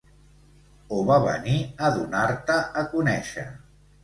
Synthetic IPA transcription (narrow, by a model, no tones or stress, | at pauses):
oβaβə̰niəðunaɾt̪əʔːkunɛʃə̰